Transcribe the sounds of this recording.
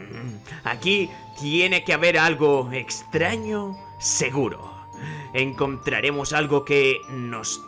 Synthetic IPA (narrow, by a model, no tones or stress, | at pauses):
a̰ki | t̪je̞ne̞keaβe̞ɾalɣo̞ekst̪ɾaɲo | se̞ɣuɾo̞̰ | eŋko̞nt̪ɾa̰ɾe̞mosalɣo̞keno̞s